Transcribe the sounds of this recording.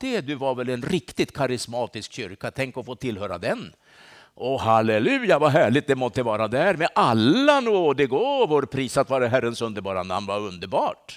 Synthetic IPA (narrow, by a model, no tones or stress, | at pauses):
d̪̥ɛd̪ɵvaɾvɛlɛnɾɪkt̪ɪt̪kʰaɾɪsmɑːt̪ɪskɕʏɾkat̪ʰɛŋkɔfoːt̪ʰɪlhøːɾa̰d̪ɛn | ʔɔhalɛlʉ̟ːjavaɦæːɭɪt̪̚d̪ɛmɔt̪ːəvɑːɾad̪æːɾmɛʔalːanuːd̪ɛɡoːvoːɾpʰɾiːsat̪vɑːɾaɦæɾənsɵnd̪əɾbɑːɾa̰nd̪əhanvaɾɵnd̪əɾbɑːʈ